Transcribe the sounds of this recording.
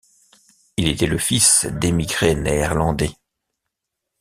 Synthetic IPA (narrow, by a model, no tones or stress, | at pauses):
ilet̪ɛləfisd̪emiɡʁeneːʁlɑ̃d̪ɛ